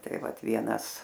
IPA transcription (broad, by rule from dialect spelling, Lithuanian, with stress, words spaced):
ˈtɐɪ ˈʋɐt ˈʋʲiɛnɐs